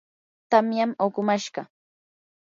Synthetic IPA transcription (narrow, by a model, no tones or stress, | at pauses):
t̪amjamokʊmaʃɢɑ